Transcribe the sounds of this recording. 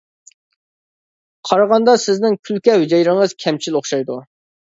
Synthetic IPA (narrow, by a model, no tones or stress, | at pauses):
qʰɑɾɑʁɑnd̪ɑsɪznɪŋkʲʰylkʲɛwd͡ʒɛjɾɪŋəz̥kʲʰɛmt͡ʃʰiloχʃɑjd̪u